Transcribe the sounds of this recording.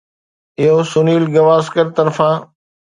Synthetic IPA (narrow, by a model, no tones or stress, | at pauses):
ɪɦosʊniːlɡɐʋaːskəɾt̪ɐɾfãː